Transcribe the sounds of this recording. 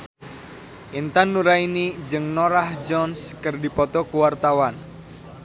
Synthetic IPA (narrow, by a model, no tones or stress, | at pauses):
ʔint̪anːuɾainid͡ʒɨŋnɔɾahd͡ʒɔnskərdipɔt̪ɔkuwart̪awan